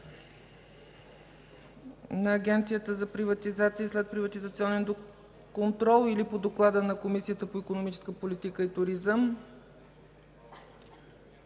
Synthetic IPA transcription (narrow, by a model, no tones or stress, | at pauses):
nɐːɡʲɛnt̪sijət̪əzɐpɾivət̪izat̪siəslɛt̪̚pɾivət̪izət̪siɔnɛnd̪o | kont̪ɾɔlˠilipod̪oklˠad̪ənɐkomisiət̪əpoikonomit͡ʃɛ̥skəpolit̪ikəit̪ʊɾizəm